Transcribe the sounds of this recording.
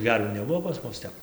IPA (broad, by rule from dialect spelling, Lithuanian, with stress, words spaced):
ˈɡʲɛrʲʋʲuː nʲɛˈbʊʋoː pɐs ˈmʊs ˈtʲɛp